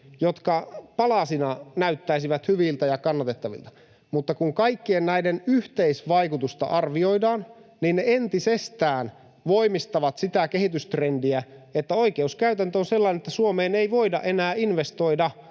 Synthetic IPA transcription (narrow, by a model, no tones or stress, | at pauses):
jot̪kɑpɑlɑsinɑnæyt̪ːæisiʋæt̪hyʋilt̪æjɑkɑnːɑt̪et̪ːɑʋḭlt̪ɑ̥ | mut̪ːɑkuŋkɑikːiennæidenyht̪eisʋɑikut̪ust̪ɑ̰ʔɑrʋio̞idɑːnninneent̪isest̪æːn | ʋoimist̪ɑʋɑt̪sit̪ækehit̪yst̪rendiæet̪ːæo̞ikeuskæyt̪ænt̪øonselːɑinet̪ːæsuomeːneiʋoidɑ̰ʔenæːinʋest̪o̞idɑ